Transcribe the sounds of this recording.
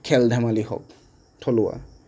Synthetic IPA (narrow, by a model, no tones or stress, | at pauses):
kʰɛldʱamalihɔ̰k̚ | tʰɔlʊwa̰